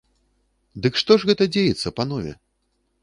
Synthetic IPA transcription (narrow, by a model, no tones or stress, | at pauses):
d̪ɨkʂt̪ɔʐɣɛt̪ɐd͡zʲejɛt̪sːɐpanɔvʲɛ̰